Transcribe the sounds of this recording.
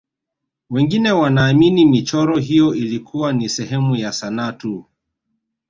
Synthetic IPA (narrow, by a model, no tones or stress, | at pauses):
wɛŋɡinɛwanaːminimit͡ʃɔɾɔɦijɔilikʰuwanisɛɦɛmujasanatu